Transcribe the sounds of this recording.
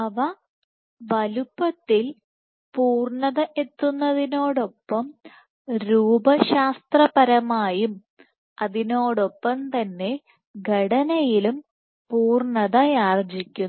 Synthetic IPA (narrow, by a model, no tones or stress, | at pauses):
ɐʋɐ | ʋɐlupːɐt̪ːil | puːrɳɐðɐʔe̞t̪ːunːɐðino̞ːɽo̞pːɐm | ɾuːbɐɕaːst̪rɐpɐɾɐmaːjum | ɐðino̞ːɽo̞pːɐmt̪ɐnːe̞ | ɡʱɐɽɐnɐjilum | puːrɳɐðɐjaːrd͡ʑikʲːun